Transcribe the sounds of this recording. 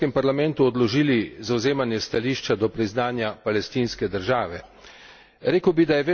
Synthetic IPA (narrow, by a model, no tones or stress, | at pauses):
kɛmpaɾlamɛnt̪uɔd̪lɔʒiːlizawzeːmanjɛst̪aliːʃt͡ʃad̪ɔpɾiznaːnjapalɛst̪iːnskɛd̪əɾʒaːʋɛ | ɾeːkəwbid̪ajɛʋeː